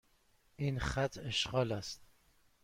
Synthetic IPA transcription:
ʔiːnχæt̪ʰeʃɢɒːlæst̪

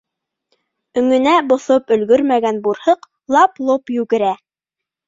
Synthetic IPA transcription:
ɵ̆ŋɵ̆næbŏθopɵ̆lɡɵɾmæɡænbuɾhɤq | lˠɑplˠopjʉɡɘ̆ɾæ

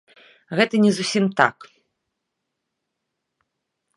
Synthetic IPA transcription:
ɣɛt̪ɐnʲɛzusʲimt̪a̰k

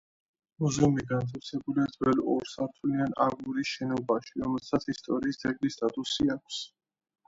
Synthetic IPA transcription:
muzumiɡant̪ʰasʰɛbuliad̪zwɛlɔɾsaɾt̪ʰulianaɡuɾiʃɛnɔbaʃiɾɔmɛlsʰat̪sʰist̪ʼɔɾiːsd̪ɛɡlist̪ʼat̪ʼusiakʷʰs

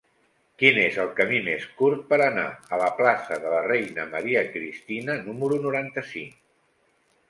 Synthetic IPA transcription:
kinezəlˠkəmimeskuɾt̪̚pəɾəna̰ələplasəðələrejnəməɾiəkɾist̪inənuməɾunuɾant̪əsiŋ

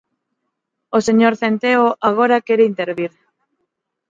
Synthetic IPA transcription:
oseɲoɾθent̪eoʔaɣ̞oɾakeɾeint̪eɾβiɾ

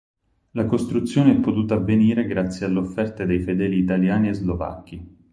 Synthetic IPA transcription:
lakost̪ɾut̪sːjoːneɛpːot̪uːt̪aavːeniːɾeɡɾat̪sːjealːeofːɛrt̪ad̪ejfed̪ɛːliːt̪aljaːniezlova̰kːi

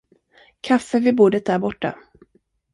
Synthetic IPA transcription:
kʰafːəvɪbuːd̪ət̪̚d̪æːɾbɔʈːa̰

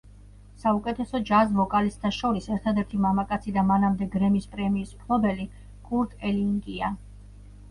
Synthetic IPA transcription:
saukʼɛt̪ʰɛsɔd͡ʒazvɔkʼalist̪ʰaʃɔɾisɛɾt̪ʰad̪ɛɾt̪ʰimamakʼat̪sʰid̪amanamd̪ɛɡɾɛmispʼɾɛmiːsmkʰlˠɔbɛli | ɡʰʼuɾt̪ʰʼɛliŋɡʼia

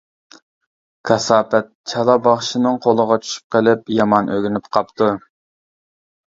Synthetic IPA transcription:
kʰɑsɑːpɛt̪̚t͡ʃʰɑlˠɑbɑχʃinɨŋqʰolˠəʁɑt͡ʃʰy̥ʃy̥p̚qəlɪpjɑmɑnʔøɡʲinypqʰɑpt̪u

